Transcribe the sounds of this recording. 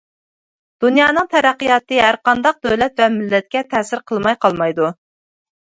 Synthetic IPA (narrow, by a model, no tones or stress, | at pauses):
d̪̥unjɑːnɨŋt̪ʰɛɾæqːəjɑt̪ɨɦæɾqɑnd̪ɑq̚d̪øwlɛt̪vɛmɪlːɛt̪̚kʲɛt̪ʰɛsɪɾqʰəlˠmɑjqʰɑlˠmɑjd̪u